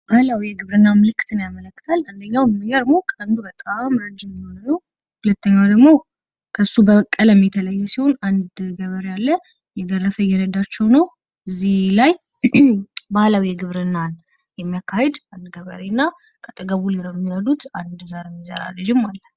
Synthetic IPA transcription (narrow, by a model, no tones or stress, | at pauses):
bahlawijɛɡɨβɾɨnːamɨlɨkːɨ̥t̪ɨnjamələkːɨ̥t̪ʰaland̪əɲːawnəmɨɡəɾəɡmokʰand̪ubət̪ʼamɾəd͡ʒɪmiho̞nnəw | hulət̪ːəɲːad̪əɡmo̞ | kʰəsːubəəkʼːələmːit̪ʰələjːɛsiho̞nand̪ɡəβəɾjalːə | jɛɡərːəfəjɛnəd̪at͡ʃːɛwnəw | ɨzːihlaj | bahlawijɛɡɨβɾɨnːan | jɛmːijakʰːahed̪and̪ɡəβə̰ɾenːa | kʰət̪ʼɨɡəβuliɾomːiɾəd̪ut̪and̪zaɾemːizə̰ɾa̰lːəd͡ʒɪmːalːə